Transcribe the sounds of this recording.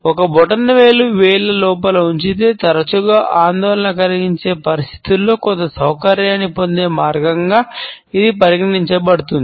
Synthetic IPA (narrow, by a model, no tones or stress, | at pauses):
ɔkɐbɔʈɐnːɐʋeːɭuʋeːɭːɐlɔːpɐlɐuɲt͡ʃit̪eːt̪ɐɾɐt͡ʃuɡaːʔaːnd̪ɔːlɐnɐkɐliɡiɲt͡ʃe̞ːpɐɾist̪ʰi̥t̪ulːo̞ːkɔnt̪ːɐsɐwkɐɾjaːnːipond̪e̞ːmaːɾɡɐŋɡaː | id̪ipɐɾiɡɐniɲt͡ʃɐbɐɽut̪und̪i